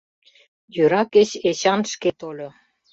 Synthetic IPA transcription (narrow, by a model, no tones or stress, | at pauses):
jøɾɑket͡ɕet͡ɕɑnʃket̪olʲo